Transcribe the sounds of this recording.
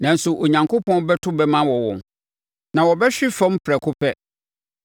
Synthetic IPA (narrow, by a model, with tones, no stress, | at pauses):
nã˨n̩˦sʊ˨ʔo˨ɲã˨ŋkʰʊ˦pɔ̃˦bɛ˦tʰʊ˦bɛ˦mã˦wɔ˨wɔ̰̃˨n | nã˨wɔ˨bɛ˦ɕᶣɪ˦fã˦mpʰɾɛ˨kʰʊ˦pʰɛ˦